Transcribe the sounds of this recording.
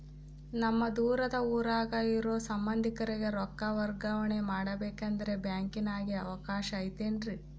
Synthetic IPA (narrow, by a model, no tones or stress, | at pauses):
nɐmːɐd̪uːɾɐd̪ɐuːɾaːɡɐiɾo̞ːsɐmbɐnd̪ʱikɐɾeɡe̞ɾɔkːɐʋɐɾɡɐʋɐɳe̞maːɽɐbeːkɐnd̪ɐɾe̞bjaːŋkinaːɡiɐʋɐkaːʃɐːjt̪eːɳɖɾi